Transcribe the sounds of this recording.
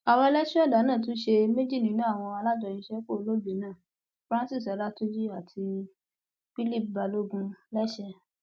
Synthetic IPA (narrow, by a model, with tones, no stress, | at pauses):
a˧wɔ˧lɛ˦ʃu˦ɔ˦˨da˨˦nãː˦˨t̬ũ˨˦ʃe˧me˦d͡ʒi˦˨nĩ˨˦nũ˦a˦˨w̃ɔ̃˧a˧la˦d͡ʒɔ˧˨jĩ˧ʃɛ˦k͡po˦˨˧lo˦be˨˦nãː˦˨ | fɾã˦si˦˨sɔ˨˦la˦to˦d͡ʒi˦a˦˨tʰi˧ | fi˦li˦˨p̚ba˧lo˦ɡũ˧lɛ˦ʃɛ˧